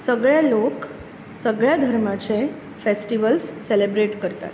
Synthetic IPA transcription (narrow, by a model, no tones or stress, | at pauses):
səɡɭjalok | səɡɭjad̪ʱəɾmat͡se | fesʈiʋəlsːelebɾeʈkəɾt̪a̰t̪